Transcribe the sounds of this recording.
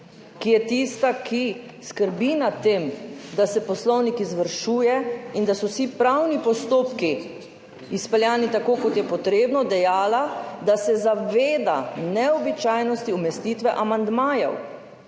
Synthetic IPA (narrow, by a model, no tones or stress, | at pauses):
kijɛt̪iːst̪akʰiskəɾbinat̪eːmd̪asɛpɔslɔwnikizʋəɾʃuːjɛind̪asɔwsipɾawnipɔst̪oːpki | ispɛljaːnit̪akoːkɔt̪jɛpɔt̪ɾeːbnɔd̪ɛjaːlad̪asɛzaʋeːd̪anɛɔbit͡ʃaːjnɔst̪iumɛst̪iːt̪ʋɛʔamand̪maːjɔ̰w